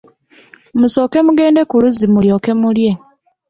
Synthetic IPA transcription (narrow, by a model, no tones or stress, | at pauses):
muso̞ːke̞muɡe̞ːnde̞kuluzimujo̞ːke̞mulje̞